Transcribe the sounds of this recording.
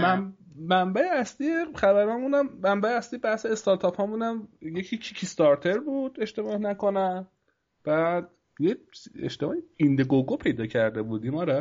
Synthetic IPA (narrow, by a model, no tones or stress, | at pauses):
mæːæmbæeæsliːjeχæbæɾɒmunæmːæmbæeæslijebæhseːst̪ɒɾt̪ʰɒfhɒːmunæmje̞cʰicʰicʰist̪ɒɾt̪ʰe̞ɾbuːd̪̥e̞ʃt̪e̞bɒːhnæko̞næn | b̥æd̪ | jeḛʃt̪emɒjeind̪eɡoɡopʰe̞jd̪ɒːcʰæɾd̪e̞buːd̪iːmɒːɾɛ